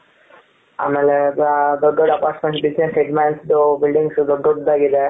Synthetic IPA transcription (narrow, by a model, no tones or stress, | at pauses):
a̰ːmeːled̪ɔɖːoɖɐpaːɾʈmẽɳʈbid͡ʒneseɖmaːnsd̪ubilɖiŋɡsd̪ɔɖːoɖd̪aːɡid̪e